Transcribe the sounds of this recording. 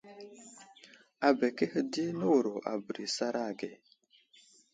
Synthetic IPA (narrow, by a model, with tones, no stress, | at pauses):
a˨be˨ke˦hə˦di˦nə˦wu˨ɾo˨ʔa̰˨bə˨ɾi˨sa˦ɾa˦˨ɡe˨